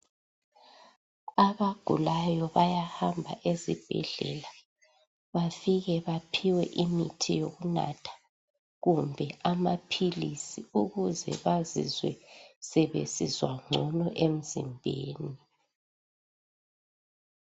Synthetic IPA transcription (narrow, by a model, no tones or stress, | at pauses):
aβaɡ̥ʱṵlajɔβajahambʱa̰ʔezib̥ʱɛ̰ɮɛ̰la | βafiɣɛβapʰiwɛʔimitʰijoɣuna̰tʰḁ | ɣumbʱɛamapʰilisiuɣuzɛ̰βazḭzwɛ̰sɛβḛsizwa̰ŋ͡ǀʱɔnɔʔem̩zḭmbʱeːni